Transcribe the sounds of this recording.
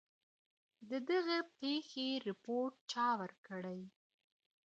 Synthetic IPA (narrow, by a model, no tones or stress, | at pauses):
d̪əd̪əɣəpexeɾɪpoɾʈ̚t͡ʃɑwəɾkəɽəj